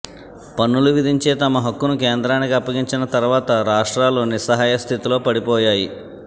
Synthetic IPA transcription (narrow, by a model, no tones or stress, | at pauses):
pɐnːuluʋid̪ʱiɲt͡ʃeːt̪ɐmɐɦɐkːunuk̬eːnd̪ɾaːnikiɐpːɐɡiɲt͡ʃinɐt̪ɐɾuʋaːt̪ɐɾaːʂʈɾaːloːnisɐɦaːjɐst̪ʰit̪ilo̞ːpɐɽipɔːjaːji